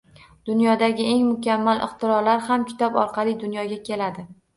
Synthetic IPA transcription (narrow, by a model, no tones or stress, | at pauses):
d̪̥ʊnjɒd̪aɡʲɪe̞ŋmʊkʲʰamːalʔɪ̰qt̪ʰɪɾɒɾlaɾhamkʲʰʊ̥t̪abɒ̰ɾqʰɑlˠijd̪ʊnjɒɡʲakʲʰe̞lad̪ɪ